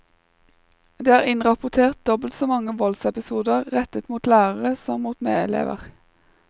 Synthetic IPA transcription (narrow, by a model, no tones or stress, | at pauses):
d̪eːæːʁɪnʁɑpʊt̪ʰeːʁt̪̚d̪ɔbəl̩t̪soːmɑŋəʋɔlsɛpɪsuːd̪əʁʁɛt̪ət̪muːt̪læːʁəʁəsɔmmuːt̪mḛːɛ̰lḛːʋə̰ʁ